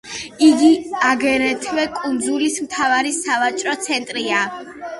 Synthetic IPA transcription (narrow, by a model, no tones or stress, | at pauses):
iɡiaɡɛɾɛt̪ʰvɛkʼund̪zulismt̪ʰavaɾisavat͡ʃʼɾɔt̪sʰɛnt̪ʼɾia